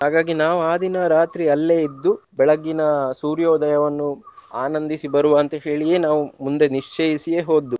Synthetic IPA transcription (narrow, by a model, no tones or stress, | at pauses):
ɦaːɡaːɡinaːʋuaːd̪ʱinɐɾaːt̪ɾiɐlːe̞ːid̪ːubɛɭɐɡinɐsuːɾjɔːd̪ɐjɐʋɐnːuaːnɐnd̪isibɐɾuʋaːnt̪ɐɦe̞ːɭijeːnaːʋumund̪e̞niʂt͡ʃeːjisijeːɦo̞ːd̪ːu